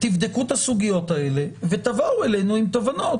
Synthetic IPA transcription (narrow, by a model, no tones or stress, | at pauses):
t̪ifd̪e̞kut̪hasuɡijo̞t̪ae̞le̞ve̞t̪avaue̞le̞jnuimt̪o̞vano̞t